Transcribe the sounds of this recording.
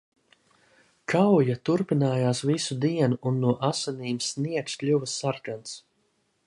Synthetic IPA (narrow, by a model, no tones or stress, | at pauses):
kʰawjat̪uɾpinaːjaːsvisud̪iɛnuʔːnːuɔʔasaniːmsniɛksklʲuvasːaɾkans